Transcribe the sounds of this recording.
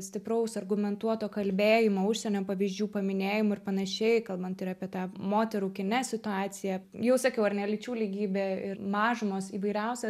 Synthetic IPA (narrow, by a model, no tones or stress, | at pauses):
sʲt̪ʲɪpɾɐʊsɐrɡʊmʲɛnt̪uɔt̪oːkɐlʲbʲeːjɪmoːʊʃʲsʲɛnʲoːpɐʋʲizʲd͡ʒʲuːpɐmʲɪnʲeːjɪmʊɪrpɐnɐʃʲɛɪkɐlˠbɐnt̪ɪɾɑːpʲiɛt̪ɑːmoːt̪ʲɛɾuːkʲɪnʲɛsʲɪt̪ʊɑːt͡s̪ʲɪjɛjɛʊsɐkʲɛʊɐrnʲɛlʲɪt͡ʃʲuːlʲiɡʲiːbʲeːɪmɑːʒɪmoːsiːʋɐɪɾʲɛʊsʲɛ